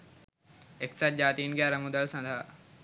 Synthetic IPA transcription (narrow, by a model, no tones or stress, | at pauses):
ɪksat̪̚d͡ʑaːt̪iːnɡaːɾɐmũd̪əlsãt̪ʰaː